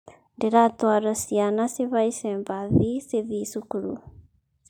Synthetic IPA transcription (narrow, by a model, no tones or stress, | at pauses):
ndeɾatwaɾasianaseβaiseːmbaðiseðisukuɾṵ